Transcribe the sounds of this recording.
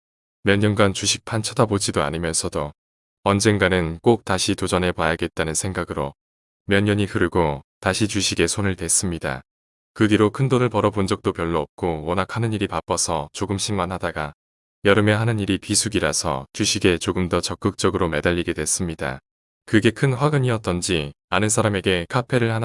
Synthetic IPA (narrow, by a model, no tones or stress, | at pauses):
mjʌɲːʌnɡant͡ɕuɕʰik̚pʰant͡ɕʰʌdabod͡ʑidoa̰ɲimjʌnsʰʌdo | ʌnd͡ʑe̞ŋɡanɯnk͈ok̚t͈aɕʰitod͡ʑʌne̞pwajaɡe̞t̚t͈anɯnsʰe̞ŋɡaɡɯɾo | mjʌɲːʌɲikɯɾɡotaɕʰit͡ɕuɕʰiɡe̞sʰonɯɭtwe̞s͈ɯmɲida̰ | kɯɡiɾokʰɯndonɯɭpʌɾʌbond͡ʑʌk̚t͈opjʌɭːoʌp̚k͈owʌnakʰanɯɲiɾipap͈ʌsʰʌt͡ɕoɡɯmɕʰimanɦadaɡa | jʌɾɯme̞ɦanɯniɾipisʰuɡiɾasʰʌ̰t͡ɕuɕʰiɡe̞t͡ɕoɡɯmdʌt͡ɕʌk͈ɯk̚t͡ɕ͈ʌɡɯɾome̞daʎːiɡe̞dwe̞s͈ɯmɲida̰ | kɯɡe̞kʰɯnɸwaɡɯɲiʌt͈ʌnd͡ʑi | anɯnsʰaɾame̞ɡe̞kʰapʰe̞ɾɯɭhan